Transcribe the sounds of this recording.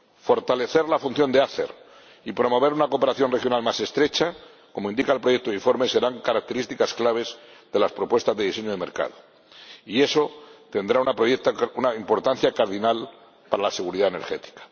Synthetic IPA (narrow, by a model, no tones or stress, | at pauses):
fo̞ɾt̪ale̞θe̞ɾlafunθjo̞nd̪eaθe̞̰ɾ | ipɾo̞mo̞β̞e̞ɾunako̞pe̞ɾaθjonrexjo̞nalmase̞st̪ɾe̞t͡ʃa | ko̞moĩnd̪ikaelpɾo̞je̞k̚t̪oiɱfo̞ɾme̞se̞ɾaŋkaɾak̚t̪e̞ɾist̪ikasklaβ̞e̞zðe̞laspɾo̞pwe̞st̪azðeðise̞ɲoðemeɾka̰ðo | ie̞so̞t̪e̞nd̪ɾaunapet̪unaimpo̞ɾt̪an̟θjakaɾðinal | paɾalase̞ɣuɾiðaene̞ɾxet̪i̥kḁ